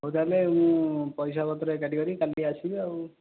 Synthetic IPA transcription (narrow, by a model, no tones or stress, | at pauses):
ɦowt̪alemũpɔjsabɔt̪ɾekɛʈiɡɔɾikaliat͡ʃʰiau